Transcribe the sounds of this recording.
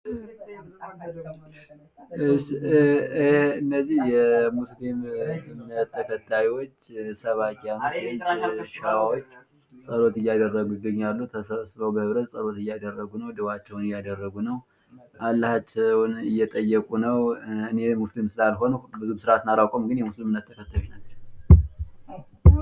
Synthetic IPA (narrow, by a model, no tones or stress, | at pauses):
ɨʃːi | hɨnːəzːihjɛmuslimɪmnət̪ʰːəkʰət̪ʰːajwo̞t͡ʃːsəβakʼijanoɛnt͡ʃʃawawot͡ʃː | sʼəlo̞t̪ɨjːad̪ərːəɡuɪɡəɲːalːut̪ʰəsəβsβəwbəhɨβɾət̪sʼəlo̞t̪ɨjːad̪ərːəɡunəwd̪ɨwat͡ʃːɛwnɨjad̪ərːəɡunəw | ʔalːəhat͡ʃːɛwnɨjːɛt̪ʼəjːɛkʼunəwɨne̞muslimsɨlalɦo̞nubɨzubɨsɨɾʔat̪naɾawkʼomɡɨnjɛmuslimɨnːət̪ʰːəkʰət̪ʰːawinat͡ʃːɛw